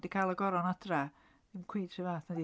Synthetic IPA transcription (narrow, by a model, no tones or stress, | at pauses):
d̥ikʰajlˠəɡɔɾɔnad̥ra | d̥ɪmkʰw̥iːd̥sivaːθnɛdi